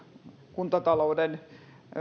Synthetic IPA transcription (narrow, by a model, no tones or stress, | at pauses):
kunt̪ɑt̪ɑlouden